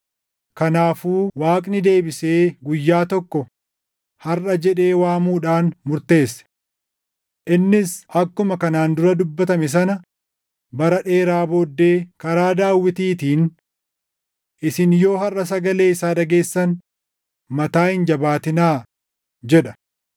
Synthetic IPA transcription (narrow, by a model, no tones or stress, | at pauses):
kɐnaːfuːwaːkʼnɪd̪e̞ːbɪse̞ːɡʊjːaːt̪ɔkːɔ | hɐrʔɐd͡ʒɛᶑe̞ːwaːmuːᶑaːnmʊɾt̪e̞ːsːɛ̥ | ʔɪnːɪsʔɐkːʊmɐkɐnaːnd̪ʊɾɐd̪ʊbːɐt̪ɐmɛs̬ɐnɐ | bɐɾɐᶑe̞ːɾaːbo̞ːd̪ːe̞ːkɐɾaːd̪aːwːɪt̪iːt̪iːn | ʔɪsɪnjo̞ːhɐrʔɐs̬ɐɡɐle̞ːɪsaːᶑɐɡe̞ːsːɐn | mɐt̪aːhɪnd͡ʒɐbaːt̪ɪnaː | d͡ʒɛᶑɐ̥